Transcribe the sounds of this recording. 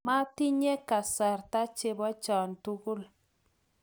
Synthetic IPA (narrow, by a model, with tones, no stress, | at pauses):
ma˦ti˦ɲe˦ka˨sɛ˨rta˦t͡ʃe˦bɔ˦t͡ʃɔ˨ntu˦ku˦l